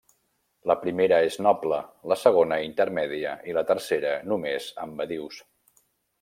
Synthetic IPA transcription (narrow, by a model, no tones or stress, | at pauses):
ləpɾimeɾəeznɔblələsəɣ̞onəint̪əɾmɛðiəilət̪ərseɾənumezəmbəðiws